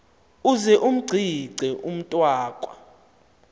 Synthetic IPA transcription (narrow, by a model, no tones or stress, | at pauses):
uzɛʔum̩ɡ͡ǀʱiǀʱɛʔum̩tʼwaːkʼwa